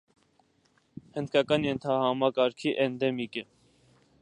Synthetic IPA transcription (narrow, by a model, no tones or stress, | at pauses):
hənd̪kʰɑkɑnjɛnt̪ʰɑhɑmɑkɑɾkʰiʔɛnd̪ɛmikə